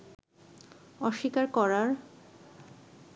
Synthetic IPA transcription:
ɔʃːikaɾkɔɾaɾ

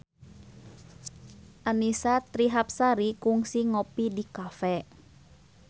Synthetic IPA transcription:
ʔanisat̪ɾiɦap̚saɾikuŋsiŋopidikafɛ

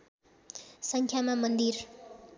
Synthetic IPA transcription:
sʌŋkʰjamamʌnd̪ir

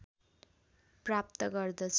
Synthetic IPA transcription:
prap̚t̪ʌɡʌrd̪ʌt͡sʰ

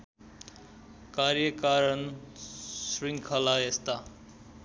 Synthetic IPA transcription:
karjʌkaɾʌn | sriŋkʰʌlaest̪a

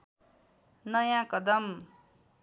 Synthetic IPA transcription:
nʌjãkʌd̪ʌm

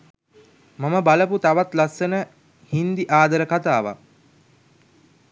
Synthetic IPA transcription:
maməbaləput̪aʋat̪lasːənə | hind̪iʔaːd̪əɾəkat̪aːʋa̰

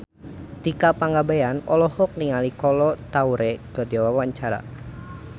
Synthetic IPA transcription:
t̪ikapaŋɡabajanɔlɔhɔk̚niŋalikɔlɔt̪auɾɛkərdɛwawaɲt͡ʃaɾa̰

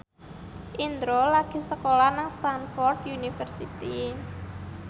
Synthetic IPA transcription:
ʔind̪ɾolaɡ̥i̤səkolanaŋst̪anfɔrd̪junifərsit̪i

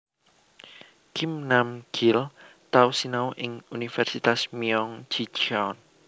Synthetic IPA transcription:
kɪmnamɡ̥ɪlt̪ausinaoʔɪŋunifɛrsit̪asmiɔŋd͡ʒ̥id͡ʒawn

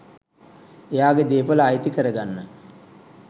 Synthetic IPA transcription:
ejaːɡed̪eːpələːjt̪ikəɾəɡanːə

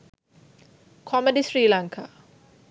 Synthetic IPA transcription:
kʰɔmedisɾiːlaŋkʰa

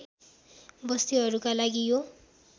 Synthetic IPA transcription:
bʌst̪iʌɾukalaɡijo

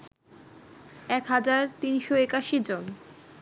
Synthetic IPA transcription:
ɛkɦad͡ʑaɾt̪inʃoekaʃid͡ʑon

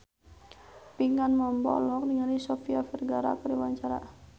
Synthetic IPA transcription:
piŋanmɔmbɔ̰lɔk̚niŋalisɔfiafərɡaɾa̰kəɾiwaɲt͡ʃaɾa̰

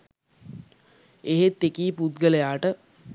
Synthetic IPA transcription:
eɦet̪ːekiːput̪ɡələjaːʈə

